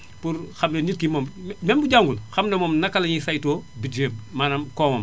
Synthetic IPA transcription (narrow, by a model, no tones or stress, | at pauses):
puɾxɐmnenitkimɔmmɛmbuɟaŋɡulxɐmnɐmɔːmnɐkalɐɲisajtoːbiteːbmanɐmkɔːmɔm